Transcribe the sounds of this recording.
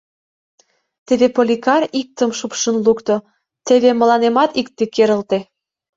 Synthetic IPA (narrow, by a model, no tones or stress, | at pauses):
t̪eβepolʲikɑrik̚t̪ə̆mʃupʃənlukt̪ŏ | t̪eβemə̆lɑnemɑt̪ikt̪ĕkeɾə̆lt̪e